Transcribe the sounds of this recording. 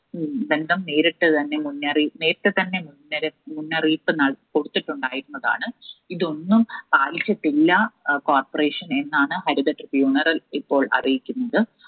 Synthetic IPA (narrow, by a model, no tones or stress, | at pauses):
be̞nd̪ɐmneːɾiʈ̪ːet̪ɐnːe̞munːɐriːneːɾɐt̪ːet̪ɐnːe̞munːɐɾemunːɐriːpːɨnɐko̞ɽut̪ːiʈːuɳɖaːjiɾunːɐða̰ːɳɨiðo̞nːumpaːlit͡ɕːɐʈːilːɐkoːrpɐre̞ːʂɐne̞nːaːɳɨhɐɾuðɐʈrɨfjuːɳɐrɐlipːo̞ːɭʔɐ̰rijikʲːunːɐðɨ